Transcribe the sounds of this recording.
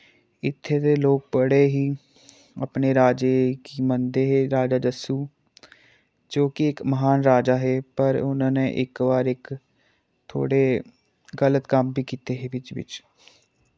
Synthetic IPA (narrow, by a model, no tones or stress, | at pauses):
ɪt̪ʰːeːd̪eːloːk̚bəɽeːɦiː | ə̰pneːɾaːd͡ʒeːkiːmənd̪eːɦeːɾaːd͡ʒaːd̪əsuː | d͡ʒoːkɪɪkməɦaːnɾaːd͡ʒaːɦeːpəɾʊnãːnẽːʔɪkʋaːɾɪk | t̪ʰo̰ːɽeː | ɡələt̪kəmbiːkiːt̪eːɦeːʋɪt͡ʃʋɪ̰t͡ʃ